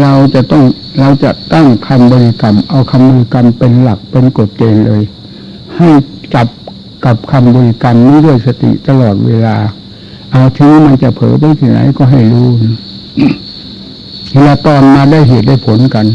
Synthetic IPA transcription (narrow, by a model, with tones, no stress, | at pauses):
la˧wt͡ɕa˨˩ʔt̪ɔ˥˩ŋ | la˧wt͡ɕa˨˩ʔt̪a˥˩ŋkʰa˧mbɔː˧li˧ka˧mʔa˧wkʰa˧mbɔː˧i˧ka˧mpe˧nla˨˩k̚pe˧nko˨˩t̪̚t͡ɕeː˧nlɤː˧j | ha˥˩jt͡ɕa˨˩p̚ | ka˨˩p̚kʰa˧mbɔː˧li˧ka˧mːiː˧du˥˩əjsa˧t̪ḭ˨ʔt̪a˧lɔː˨˩t̪̚weː˧laː˧ | ʔa˧˩wt̪ʰɯ˧˦ŋ˦ma˧nt͡ɕa˨˧˩pʰɤ̰ː˨˦p̬a˧˦jt̪ʰiː˧˩na̰˨˦jkɔː˧˩ɦa˧˥˩jluː˧˩n˧˩˧ | laː˧t̪ɔː˧nmaː˧da˥˩˨jɦeː˨˩t̪̚da˥˩jpʰo˨˦nka˧n